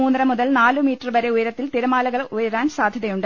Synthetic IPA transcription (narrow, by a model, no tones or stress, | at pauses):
uːnːɐɾɐmuðɐlnaːlɨmiːtːɐrʋɐɾeujɐɾɐt̪ːilt̪iɾɐmaːlɐɣɐɭujɐɾaːnsaːd̪ʱjɐðɐjuɳɖɨ